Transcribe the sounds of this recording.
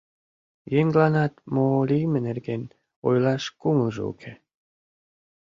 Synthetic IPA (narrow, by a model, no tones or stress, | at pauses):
jenɡlɑnɑt̪molʲimɘnerɡen | ojlɑʃkuməlʒṵṵkʰe